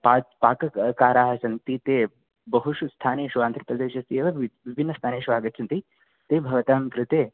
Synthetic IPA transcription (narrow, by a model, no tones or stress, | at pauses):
paːpaːkɐkaːɾaːɦɐsɐnt̪it̪eː | bɐɦuʃust̪ʰaːneːʃuʋaːnt̪ɾɐpɾɐd̪eːʃɐst̪ieːʋɐʋibʱinːɐst̪ʰaːneːʃʋaːɡɐt̪ːt͡ʃʰɐnt̪i | t̪eːbʱɐʋɐt̪aːmkɾɪt̪eː